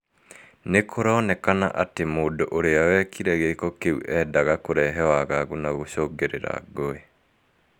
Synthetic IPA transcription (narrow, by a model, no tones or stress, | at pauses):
nekʰoɾɔːnɛkana̰ʔatemoːdoʔoɾeawɛkʰiɾɛɣekɔkeṵʔɛdaɣakoɾɛɦɛwaɣaɣunaɣoɕoːɡeɾḛɾa̰ɡoe